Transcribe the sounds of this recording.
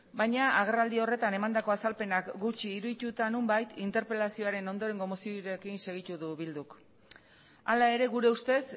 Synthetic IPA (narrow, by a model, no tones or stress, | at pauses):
bajɲaaɣ̞e̞rald̪io̞re̞t̪ane̞mand̪ako̞asalpe̞nakɡut͡ʃiːɾuðit̪ut̪anumbajt̪ʰint̪e̞ɾpe̞lasio̞aɾe̞no̞nd̪o̞ɾe̞ŋɡo̞mosioɾekinse̞ɣ̞it̪uðuβild̪uk | alae̞ɾe̞ɣuɾe̞ust̪e̞s